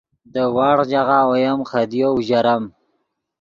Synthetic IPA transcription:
d̪əwɑːɽd͡ʒaɣaojamχad̪jouʒaɾam

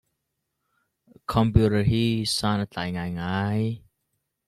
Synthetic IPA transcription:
kʰɔmpjuɾəhisaːnat͡ɬa̰ːjŋaːjŋaːj

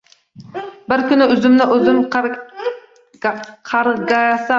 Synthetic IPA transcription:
bɪɾkʲynɪyzymnɪʔøzymq | qʰɑɾɡɑjɑsɑ

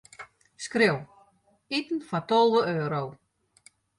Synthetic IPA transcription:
skrɪw | itn̩fatɔlˠʋəøːɾow

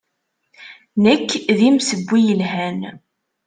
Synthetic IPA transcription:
nəkːðimsəbʷːijəlɦæn

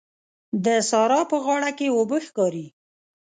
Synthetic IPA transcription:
d̪əsɑɾɑpəɣɑɽakeobəxkɑɾi

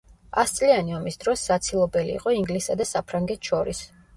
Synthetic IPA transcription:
ast̪sʼlianiɔmisd̪ɾɔsːat̪sʰilˠɔbɛlḭːqʼɔiŋɡlisad̪asapʰɾaŋɡɛt̪ʰʃɔɾis

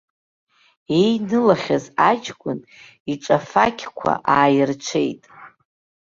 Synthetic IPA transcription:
ejnɨlaχʲazad͡ʒɡʷʼʊn | iʈ͡ʂʼafakʲʰkʷʰa̰ʔaːjɪrt͡ʃʷʰe̞̰jtʼ

